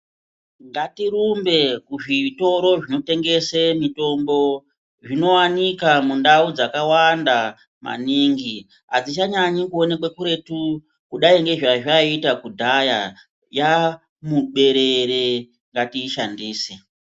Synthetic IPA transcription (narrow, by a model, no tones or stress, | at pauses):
ŋɡatiɾumbe̞kuʐito̞ɾo̞ʐino̞te̞ŋɡe̞semito̞mbo̞ | ʐino̞wanikamundaud͡zakawanda | mʔa̰niːŋɡi | ɦa̰d͡zit͡ʃaɲaɲikuo̞nek̬wekuɾe̞tu | kuɗaiŋɡe̞ʐaʐaitakudʱaja | ja | muɓe̞ɾe̞ɾe | ŋɡatiːʃandiːsi